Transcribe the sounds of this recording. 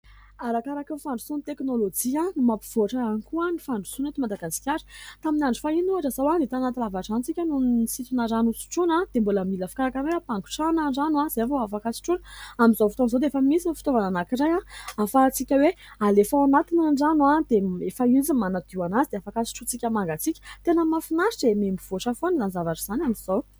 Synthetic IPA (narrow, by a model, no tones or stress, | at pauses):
aɾakaɾakefaɳɖ͡ʐu̥sunt̪eknolod͡ʒiãnumapiv̥oaʈ͡ʂaanikuanifaɳɖ͡ʐu̥sunet̪imad̪aɡaskʲaɾə̥t̪aminaɳɖ͡ʐu̥fainuaʈ͡ʂəzawanit̪anat̪ilavaʈ͡ʂant͡sikʲanunisit̪unazanusu̥ʈ͡ʂunad̪̥emboləmilafi̥kaɾakaɾajapaŋɡu̥ʈ͡ʂanaɖ͡ʐanaz̥aavoafakasi̥ʈ͡ʂunamizawfit̪onzawd̪eefəmisinfi̥t̪ovananakiɾajaafat͡sikʲəwealefaanat̪inaɖ͡ʐanuad̪̥eefəizimanad̪̥iwanazid̪eafakasi̥ʈ͡ʂut͡sikʲəmaŋɡat͡sikʲə̥t̪enəmafinaɾiʈ͡ʂemembiv̥oʂəfonizanizavaʈ͡ʂaz̥anamizaw